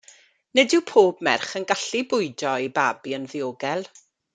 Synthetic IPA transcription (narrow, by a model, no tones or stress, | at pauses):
nədɪwpʰoːb̚mɛrχənɡaɬibʊɨdɔibabiənðɪoːɡɛlˠ